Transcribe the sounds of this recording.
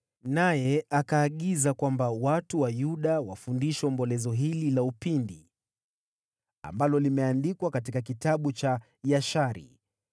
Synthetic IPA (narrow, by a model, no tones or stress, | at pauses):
najɛʔakaːɠizakwambawatuwajuɗawafundiʃɔmbɔlɛzɔɦililaupindi | a̰mbalɔlimɛandikwakat̬ikakitaɓut͡ʃa | jaʃaɾḭ